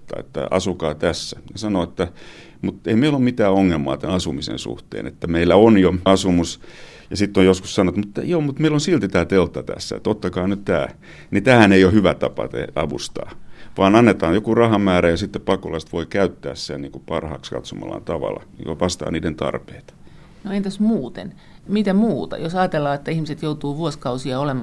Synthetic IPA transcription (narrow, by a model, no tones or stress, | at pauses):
t̪ːɑ̰ḛt̪ːæ̰ɑ̰sukɑːt̪æsːænesɑnoet̪ːæ | mut̪eimeilomit̪æːoŋːelmɑ̰ːt̪æɑsumisḛnsṵht̪ḛːnḛt̪ːæmeilːæonjoɑsumus | jɑsit̪ːojoskussɑnot̪mut̪ːjoːmut̪meilonsilt̪it̪æːt̪elt̪ːɑt̪æ̰sːæ̰ḛt̪ːot̪ːɑkɑːnyt̪t̪æ̰ː | nit̪æːhæneijohyʋæt̪ɑpɑ̰t̪ḛɑʋṵst̪ɑ̰ːʋɑːnɑnːet̪ɑːjjokurɑhɑmæːɾæjɑsit̪ːepɑkolɑst̪ʋoikæyt̪ːæ̰ːssenniːŋkupɑrhɑ̰ːkskɑ̰t̪somɑ̰lːɑ̰nt̪ɑʋɑ̰lːɑ̰nḭːkoʋɑst̪ɑ̰ːniːdent̪ɑ̰rpeːt̪ | noent̪æsmuːt̪ḛn | mit̪æmuːt̪ɑ̰josɑːt̪elːɑːet̪ːæihmiset̪jout̪uːʋuoskɑusiɑolemɑ